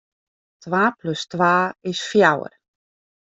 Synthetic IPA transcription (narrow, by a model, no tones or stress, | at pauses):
tʋaːpløstwaːɪsfjawə̰r